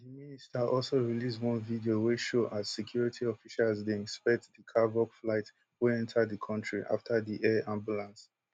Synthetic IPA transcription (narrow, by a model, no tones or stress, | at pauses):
ðiministaʔɔlsoɹiliswɔ̃nvidioweʃoʔazsɛkʰj̥uɹitʰiɔfiʃalzdeĩnspɛk̚tðəkʰavɔkflaɪt | wuɛ̃ntʰadðəkʰɔ̃ntʰɹiʔa̰ftʰaðiʔɛãmbjulãns